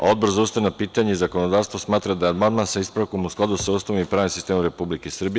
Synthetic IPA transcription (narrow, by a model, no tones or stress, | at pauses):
ao̞d̪̚boɾzaust̪aʋenapiːt̪aɲeizako̞nod̪aːʋst̪ʋosmaːt̪ɾad̪ajeamand̪mansaispɾako̞musklad̪usausaʋimipɾaːnimsist̪eːmumɾepublikesr̩bije